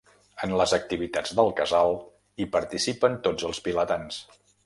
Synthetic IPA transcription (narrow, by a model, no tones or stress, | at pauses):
ənləzək̚t̪iβit̪ad͡zd̪əlˠkəzalˠ | ipəɾt̪isipənt̪od͡zəlˠspilət̪ans